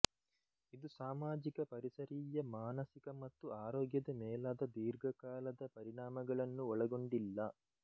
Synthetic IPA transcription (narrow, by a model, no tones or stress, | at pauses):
id̪usaːmaːd͡ʒikɐpɐɾisɐɾiːjɐmaːnɐsikɐmɐt̪ːuaːɾɔːɡjɐd̪ɐmɛːlaːd̪ɐd̪iːɾɡɐkaːlɐd̪ɐpɐɾiɳaːmɐɡɐɭɐnːuɔɭɐɡoɳɖilːɐ